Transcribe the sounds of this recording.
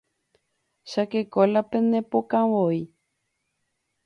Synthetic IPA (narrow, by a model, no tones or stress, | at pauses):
ʃakekolapenepokãwoi